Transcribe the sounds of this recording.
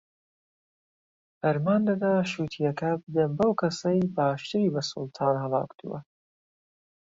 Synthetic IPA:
ʔɐɾmaːnlɐd̪aːʃuːt̪ʰijɐkʰɐbɨd̪ɐnbɐwkʰɐsɐjbɑːʃt̪ɨɾiːbɐsʊlˠt̪ʰɑːnhɐlɑ̰ːwkt̪ṵwɐ̰

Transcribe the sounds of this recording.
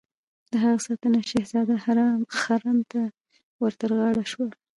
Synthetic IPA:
d̪əɦaɣasɑt̪ənaʃehzɑd̪ahaɾɑmxaɾɑnt̪a | wəɾt̪aɾɣɑɽaʃwa

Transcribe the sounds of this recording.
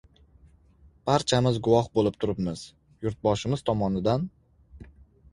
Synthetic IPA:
b̥aɾt͡ʃʰamɪzɡʊwɒhbolˠɪp̚t̪ʰʊɾɪpmɪz̥ | jʊɾt̪̚bɒʃɪmɪz̥t̪ʰɒmɒnɪd̪an

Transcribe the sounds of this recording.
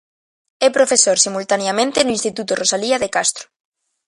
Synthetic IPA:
ɛpɾofesoɾsimult̪aneamẽnt̪enʊinst̪it̪ut̪ʊrosaliaðekast̪ɾo̥

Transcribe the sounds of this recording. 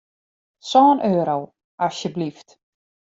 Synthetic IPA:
sɔːnʔøːɾow | ʔasjəblift

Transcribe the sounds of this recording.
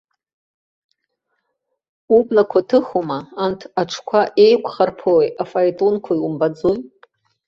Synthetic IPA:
ublakʷʰatʰɨχumaːntʰaʈ͡ʂʰkʷʰaʔe̞jkʷʰʼχarpʰowejafajtʼonkʷʰaiwumbad͡zoj

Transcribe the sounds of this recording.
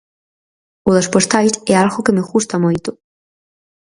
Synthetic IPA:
uðaspost̪ajt̪ɛalɣokemeɣust̪amojt̪ʊ

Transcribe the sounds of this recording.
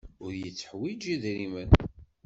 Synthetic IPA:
ʊɾjət͡sːə̥ħwid͡ʒiðɾimən

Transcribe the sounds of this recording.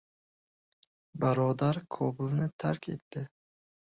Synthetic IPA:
baɾɒd̪aɾkʰobʊlnɪt̪ʰaɾkʲʰe̞̰t̪ːɪ

